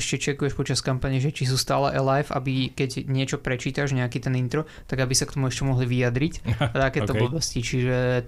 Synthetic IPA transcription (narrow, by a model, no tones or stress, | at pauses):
ɛʃcɛt͡ʃɛkujɛʃpɔt͡ʃaskampaːɲɛʒɛt͡ʃis̬uːst̪aːlɛʔɛlajfa̰bikɛɟɲɪɛt͡ʃɔpɾɛt͡ʃiːt̪aʒɲɛakit̪ɛnint̪ɾɔ | t̪aɡabisakt̪ɔmuɛʃcɛmɔɦliʋijad̪ɾict̪akɛːɔbɔbɔscit͡ʃiʒɛ